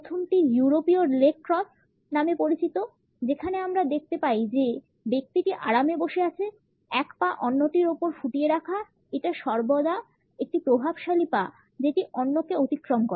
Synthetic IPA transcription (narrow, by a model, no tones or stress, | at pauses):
ot̪ʰunʈijuɾopioɾilek̚ʈɾɔs | namepoɾit͡ɕit̪o | d͡ʑekʰaneamɾad̪ek̚ʰt̪epaid͡ʑe | bek̚t̪iʈiʔaɽameboʃeat͡ɕʰe | ɛkpaʔɔnːoʈiɾopoɾfuʈieɾakʰa | eʈaʃɔɾbod̪a | ek̚ʈipɾobʱabʃalipa | d͡ʑeʈiʔɔnːokeot̪ikɾomkoɾe